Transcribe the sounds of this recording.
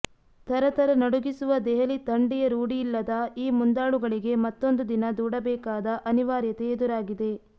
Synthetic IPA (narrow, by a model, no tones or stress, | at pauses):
t̪ʰɐɾɐt̪ɐɾɐnɐɽuɡisuʋɐd̪ɛɦɐlit̪ɐɳɖijɐɾuːɽijːlːɐd̪ɐiːmund̪aːɭuɡɐɭiɡe̞mɐt̪ːo̞nd̪ud̪inɐd̪uːɽɐbɛːkaːd̪ɐʔɐniʋaːɾjɐt̪eːd̪uɾaːɡid̪e̞